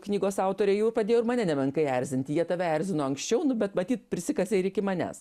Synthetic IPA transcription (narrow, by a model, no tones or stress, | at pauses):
knʲiːɡoːsɑˑʊt̪oːɾʲɛɪjuːpɾɐd̪ʲeːjoʊɪmɐnʲɛnʲɛbʲɛŋkɐɪæɾʲzʲɪnʲt̪ʲɪjiɛt̪ɐʋʲɛæɾʲzʲɪnoːɐŋksʲt͡ʃʲɛʊnʊbʲɛt̪mɐt̪ʲiːt̪̚pʲɾʲɪsʲɪkɐsʲɛɪɾɪkʲɪmɐnʲæ̰s